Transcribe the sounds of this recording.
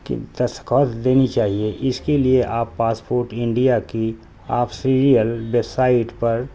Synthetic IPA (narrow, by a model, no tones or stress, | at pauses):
kḭt̪ɐskɔːt̪d̪eːnit͡ʃaːɦieʔɪskelieʔaːpːaːspoːɾʈɪ̃ɳɖijaki | a̰ːpʰsiɾijəlbesaːɪʈpɐɾ